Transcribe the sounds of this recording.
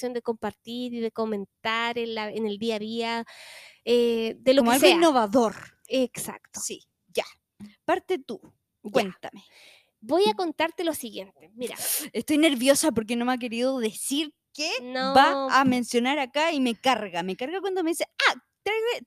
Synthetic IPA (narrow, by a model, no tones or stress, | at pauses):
jo̞nd̪eko̞mpaɾt̪iɾiðe̞ko̞mẽ̞nt̪aɾenlaeneld̪iaðia | ed̪eloomkoalɣseoiinːoβaðo̞ɾ | eksa̰kt̪o̥si | ʝa | paɾt̪et̪u | kwent̪ame | bo̞jako̞nt̪aɾt̪e̞losiɣje̞nt̪emiɾa̰est̪o̞jne̞ɾβjo̞sapoɾk̬eno̞meak̬e̞ɾiðoðe̞siɾ | kenobaame̞nsjo̞naɾakaime̞kaɾɣamekaɾɣakwand̪omeisea | t̪ɾaje